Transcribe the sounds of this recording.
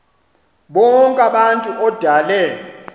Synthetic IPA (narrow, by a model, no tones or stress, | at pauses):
ɓɔŋkʼaɓantʼuʔɔd̥ʱalɛ